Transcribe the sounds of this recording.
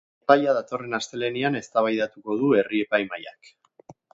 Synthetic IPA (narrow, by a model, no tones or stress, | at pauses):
pajaðat̪o̞re̞nast̪e̞leniane̞st̪aβajðat̪uko̞ð̞ue̞rie̞pajmaja̰k